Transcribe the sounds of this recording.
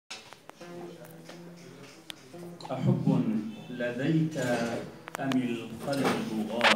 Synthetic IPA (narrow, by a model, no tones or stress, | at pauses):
ʔaħabːʊlad̪ajt̪aʔamɪlxalbʊɣɑː